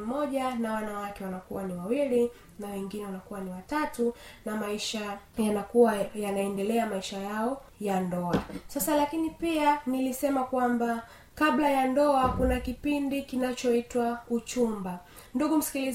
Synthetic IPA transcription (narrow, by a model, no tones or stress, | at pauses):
mɔʄanawanawakɛwanakṵwaniwawili | nawɛŋɡinɛwanakuwaniwatatunamaiʃajanakuwajanaɛndɛlɛamaiʃajaɔ | jandɔasasalakinipianilisɛmakwamba | kablajandɔakunakipindikinat͡ʃɔitwaut͡ʃumba | nduɠum̩si̥kili